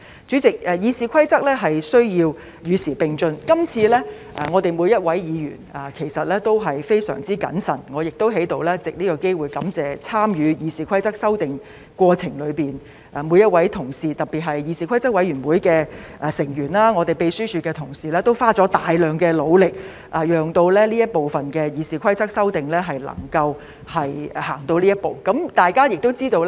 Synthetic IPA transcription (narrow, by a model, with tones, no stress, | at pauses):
t͡ʃyː˨˥t͡sɪ˨k̚ɛː˨jiː˨˧siː˨˧kʰɐ˥jt͡sɐ˥k̚lɛː˥ɦɐ˨jsɵ˥ɥjiː˧w | jyː˨˧siː˨˩pɪ˨ŋt͡ʃɵ˧nkɐ˥mt͡sʰiː˧lɛː˥ | ʔɛ˨˩ŋɔː˨˧t̪e˨jmu˨˧jɐ˥t̚wɐ˨˥jjiː˨˧jy̰ː˨˩nɛː˨˩kʰe˨˩jsɐ˨t̚lɛː˥t̪o˥wɦɐ˨jfe˥jsœ̰ː˨˩ŋt͡siː˥kɐ̰˨˥nsɐ̰˨˩nŋɔː˨˧jɪ˨k̚t̪o˥wɦe˨˥jt̪o˨wlɛː˥t͡sɪ˨k̚niː˥kɔː˨˧ke˥jwuː˨˩jkɐ˨˥mt͡sɛː˨t͡sʰaː˥mjyː˨˧jiː˨˧siː˨kʷʰɐ˥jt͡sɐ˥k̚sɐ˥wt̪ɪ˨ŋ | kʷɔː˧t͡sʰɪ˨˩ŋlɵ˨˧ɥpiː˨n | ʔɛː˨˩mu˨˧jɐ˥t̚wɐ˨˥jt̪ʰʊ˨˩ŋsiː˨t̪ɐ˨˩p̚piː˨t̚ɦɐ˨jjiː˨˧siː˨kʷʰɐ˥jt͡sɐ˥k̚wɐ˨˧˥jɥyː˨˩nwuː˨˥jkɛː˧ʔɛː˨˩sɪ˨˩ŋjyː˨˩nlaː˥ŋɔː˨˧t̪e˨jpe˨˧jsyː˥t͡ʃʰyː˧kɛː˧t̪ʰʊ˨˩ŋsiː˨lɛː˥t̪o˥wfaː˥t͡ʃɔː˨˥t̪aː˨jlœː˨˩ŋkɛː˧lo˨˧wlɪ˨k̚ | ʔɐ˨jœː˨ŋt̪o˧wlɛː˥liː˥jɐ˥t̚po˨wfɐ˨nkɛː˧jiː˨˧siː˨˩kʰɐ˥jt͡sɐ˥k̚sɐ˥wt̪ɪ˨ŋlɛː˥ɦɐ˨jlɐ̰˨˩ŋkɐ˧w | hɐ˨jhaː˨˩ŋt̪o˧wliː˥jɐ˥t̚po̰˨wkɐ˨˥mt̪aː˨jkaː˥jɪ˨k̚t̪o˥wt͡siː˥t̪o˧wl